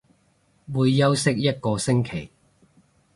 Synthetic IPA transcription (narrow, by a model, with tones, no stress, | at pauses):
wuː˧jːɐ˥wsɪ˥k̚jɐ˥t̚kɔː˧sɪ˥ŋkʰe˨˩j